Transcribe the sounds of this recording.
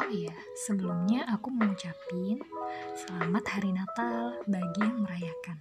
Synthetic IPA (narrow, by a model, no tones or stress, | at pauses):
ja | səbəlumɲaʔakuməŋut͡ʃapɪnsəlamat̪̚haɾinat̪albaɡijaŋməɾajakan